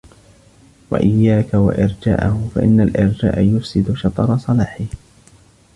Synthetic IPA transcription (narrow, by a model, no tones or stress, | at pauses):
wa̰ʔɪjːaːkawa̰ʔɪɾd͡ʒa̰ːʔahʊfa̰ʔɪ̰nːalʔɪɾd͡ʒa̰ːʔajʊfsɪd̪ʊʃɑt̪ˤɑɾˤɑsˤɑlaːħɪh